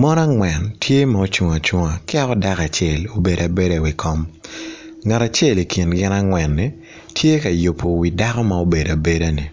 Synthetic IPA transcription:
mɔ˦na˦ŋwɛ˨ntʰje˦ma˦o˦t͡ʃu˨ŋa˨t͡ʃu˨ŋa˨kɪ˦a˦ɔ˦da˦ka˨t͡ʃe˦˨lo˨be˨da˨be˦de˨wi˨kɔ˦m | ŋa˨ta˨t͡ʃe˦˨li˨ki˨nɡɪ˦na˦ŋwɛ˨nːi˦ | tʰje˦ka˨ju˨pʰːo˨wi˨da˦kɔ˦ma˦o˦be˨da˨be˦da˦ni˨

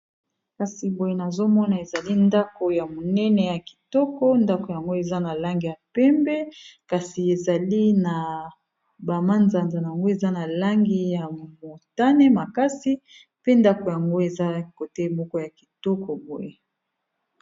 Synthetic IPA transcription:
ka˨si˨bo˨je˨na˨zo˦mɔ˦na˨e˨za˨li˦nda˦ko˨ja˨mo˨nɛ˦nɛ˨ja˨ki̥˨tɔ˦kɔ˦nda˦ko˨ja˨ŋɡo˦e˨za˦na˨la˦ŋɡi˨ja˨pɛ˦mbɛ˦ka˨si˨e˨za˨li˦na˨ | ba˨ma˦nza˨nza˨na˨ja˨ŋɡo˦e˨za˦na˨la˦ŋɡi˦ja˨mo˨ta˦nɛ˦ma˨ka˦si˦ | pe˦nda˦ko˨ja˨ŋɡo˦e˨za˦ko˨tɛ˦mɔ˦kɔ˦ja˨ki̥˨tɔ˦kɔ˨bo˨je˨

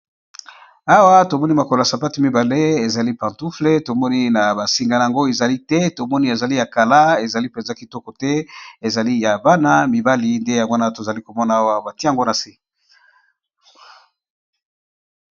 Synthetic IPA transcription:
a˦wa˦to˨mɔ˦ni˦ma˨ko˨la˨sa˨pa˦ti˨mi˦ba˨le˦e˨za˨li˦pã˨ntu˦fle˦to˨mɔ˦ni˦na˨ba˨si˨ŋɡa˨la˨a˨ŋɡo˦e˨za˨li˦tɛ˦to˨mɔ˦ni˦e˨za˨li˦ja˨ka˨la˦e˨za˨li˦pɛ˨nza˨˦ki˨tɔ˦kɔ˨tɛ˦e˨za˨li˦ja˨ba˦na˦mi˨ba˦li˦nde˦ja˨ŋɡna˦to˨za˨li˦ko˨mɔ˦na˨a˦wa˦ba˨ti˦˨ŋɡo˦na˨si˦

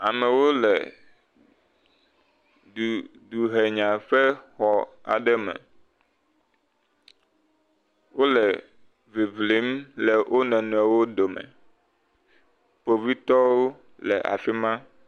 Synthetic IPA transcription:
a˨mɛ̃˨wo˦lɛ̰˨ | du˨ | du˨ɦe˨ɲã˨ɸɛ˦xɔ˨a̰˨ɖɛ˦mɛ̰̃˨ | wo˦lɛ˨ | vi˨vli˨˦mlɛ˨wʔo˦nɛ̃˨nũ˨ɛ˨wo˦ɖo˨mɛ̰̃˨ | po˨vi˦t̪ɔ˦wo˦ | lɛ̰˨ʔa̰˨fi˦mã˦

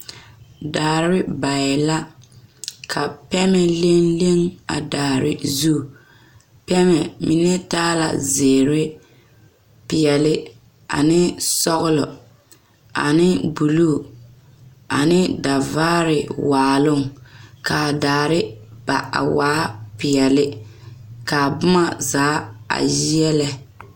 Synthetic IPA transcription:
daː˨ɾɪ˦ba˨ɪ˨la˦ | kʰa˨pɛ˦mɛ˨le˦nle˦ŋa˨daː˨ɾɪ̰˦zu˦˨ | pɛ˦mɛ˨mɪ˨nɛ˦taː˦la̰˨zeː˨ɾɪ˦ | pɪ˨ɛ˨lɪ˦ | a̰˨nɪ˦sɔ˦ɣʊ˦lɔ˨ | a̰˨nɪ˦bu˨lu˦˨ | a˨nɪ˦da˨vaː˦ɾɪ˨waː˨lʊ˦˨ŋka˨daː˨ɾɪ˦b̥a˨a̰˨waː˦pɪ˨ɛ˨lɪ˦ | ka˨bʊ˦ma˨zaː˨˦a̰˨ji˦jɛ˦lɛ˨

